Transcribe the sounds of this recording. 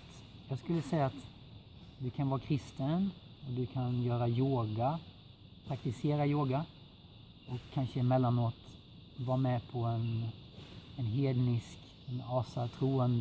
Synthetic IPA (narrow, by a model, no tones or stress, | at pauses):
jɑːɡskɵlːəsɛjːaːt̪ | d̪ɵkʰanvɑːɾakʰɾɪst̪ənɔd̪ɵkʰanjœːɾajoːɡa | pʰɾakt̪ɪseːɾajoːɡa | ɔkʰːanʂəmɛlːanoːt̪ | vɑːmɛpʰɔɛn | ɛnɦeːd̪nɪsk | ɛnɑːsat̪ʰɾuːənd̪